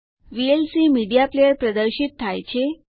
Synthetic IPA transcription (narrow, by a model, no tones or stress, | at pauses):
ʋielsiːmiɖijaplejəɾpɾəd̪əɾɕit̪t̪ʰːajt͡ɕʰe